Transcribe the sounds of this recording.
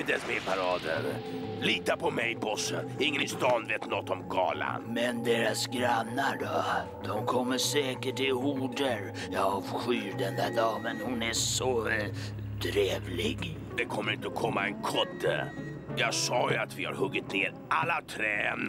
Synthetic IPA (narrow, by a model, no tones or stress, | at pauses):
d̪ɛsmepʰaɾɑːd̪ə̰ɾ | liːt̪apʰɔmɛjbɔsəɪŋːənɪst̪ɑːnveːt̪nɔt̪ːɔmɡɑ̰ːla̰nmɛnd̪eːɾasɡɾanːaɖɔd̪̥ɔmkʰɔmːəʂɛːkəʈɪɦuːɖəɾ | jɑɑːvɧyːɾd̪ɛnd̪ædɑːmɛnhʊnæsɔ | t̪ʰɾeːvlɪɡ | d̪ɛkʰɔmːəɾɪnt̪əɔkʰɔmːaɛnkʰɔd̪ːə̰ | jɑːɡsɑːjat̪vɪha̰ɾhɵɡːɪt̪̚neːɾ | ʔalːat̪ʰɾɛːn